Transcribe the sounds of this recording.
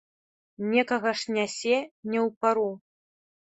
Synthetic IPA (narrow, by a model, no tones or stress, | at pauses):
nʲɛkɐɣɐʂnʲasʲɛnʲɛwpaɾu